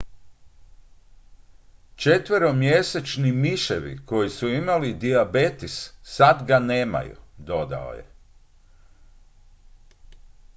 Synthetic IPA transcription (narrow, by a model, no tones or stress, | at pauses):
t͡ʃe̞t̪ʋəɾo̞mjese̞t͡ʃnimiʃeʋḭko̞jisuimalid̪iabet̪isːad̪ɡaneːma̰jṵd̪o̞d̪a̰o̰jḛ